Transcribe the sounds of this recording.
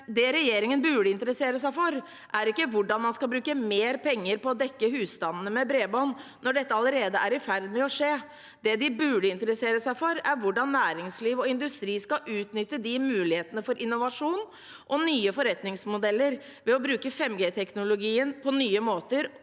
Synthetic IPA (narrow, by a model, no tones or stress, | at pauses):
d̪ɛɾɛjeːɾɪŋənbʉːɖəɪnt̪əɾəseːɾəsæɪfɔɾ | ʔæɾɪkːəʋʊɖɑnmɑnskɑlbɾʉːkəmeːɾpʰɛŋːəɾpɔːd̪ɛkːəhʉːst̪ɑnənəmɛbɾeːbɔn | nɔɖɛt̪ːəɑləɾeːd̪əʔæɾɪfæɾd̪mɛɔʂeː | d̪ɛd̪ɪbʉɖəɪnt̪əɾəseːɾəsæɪfɔɾæɾʋʊɖɑnːæːɾɪŋsliːʋɔɪnd̪ʉst̪ɾiːskɑʔʉːt̪nʏt̪ːəd̪ɪmʉːlɪheːt̪ənəfɔɾʔɪnːʊʋɑʂuːn | ʔɔnyːəfɔɾɛt̪nɪŋsmʊd̪ɛlːəɾ | ʋɛɔbɾʉːkəfɛmːɡeːt̪ʰɛknʊlʊɡiːənpʰɔnyːəmoːt̪əɾ